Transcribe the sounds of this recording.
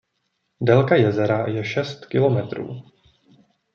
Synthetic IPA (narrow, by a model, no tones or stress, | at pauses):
dɛlkajɛzɛɾajɛʃɛst̪kɪlo̞mɛt̪ɾṵː